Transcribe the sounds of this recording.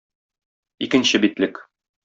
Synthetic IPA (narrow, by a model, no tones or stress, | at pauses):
ikɘ̆nɕɘbit̪lɘk